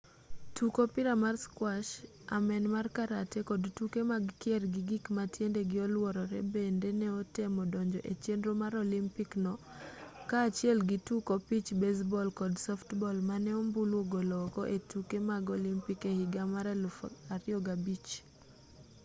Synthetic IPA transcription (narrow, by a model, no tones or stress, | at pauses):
tukopiɾamarskwaʃ | amɛnmarkaɾatekɔdtukemaɡkjɛrɡiɡikmatjendeɡɪɔlwɔɾɔɾɛ̰bendenɛɔtemɔdɔɲd͡ʒɔʔet͡ʃendɾomaɾolimpiknɔ | kaːt͡ʃjɛlɡitukɔpit͡ʃbes̬bɔlkɔdsɔftbɔlmanɛɔmbulwoɡolɔkɔ̰ʔetukemaɡolimpikehɪɡamaɾɛlfaɾɪɔɡabit͡ʃ